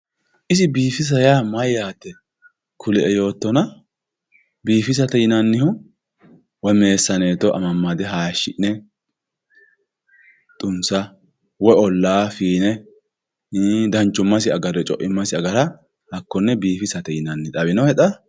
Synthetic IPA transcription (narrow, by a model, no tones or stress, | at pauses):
ʔɪsɪbiːfɪs̬ɐjaːmɐjːaːt̪ːɛ | kʰʊlɛʔɛjo̞ːt̪ːɔnɐ | biːfɪs̬ɐt̪ɛjɪnɐnːɪhʊ | wɔme̞ːsːɐneːt̪ɔʔɐ̰mɐmːad̪ɛɦaːjʃːɪʔnɛ | t̪ʼʊnsɐ | wɔɔlːaːfiːnɛ | d̪ɐnt͡ʃːʊmːɐsɪɐɡɐɾɛt͡ʃʼɔ̰ʔɪmːɐsɪɐɡɐɾɐ | hɐkːɔnːɛbiːfɪsɐt̪ɛjɪnɐnːɪᶑ̪ʼɐβɪnɔhɛᶑ̪ɐ